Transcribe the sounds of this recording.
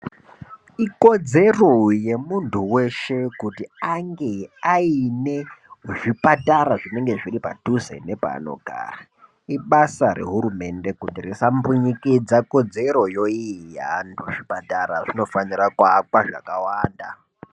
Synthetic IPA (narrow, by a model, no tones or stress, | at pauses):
iko̞d͡ze̞roje̞muntʰuwe̞ʃe̞kutiaŋɡe̞aine̞ʐipataɾaʐine̞ŋɡe̞ʐiripa̰tuzḛne̞pa̰ːno̞̰ɡʱa̰ːra | iɓasare̞̰ɦuɾume̞nde̞kutirisambuɲikid͡zako̞d͡ze̞ɾo̞joijantʰuʐipataɾaʐino̞fanirakwakwaʐa̰kawaːnda